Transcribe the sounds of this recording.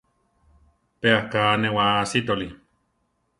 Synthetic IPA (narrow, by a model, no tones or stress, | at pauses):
peahkaːnewasit̪oli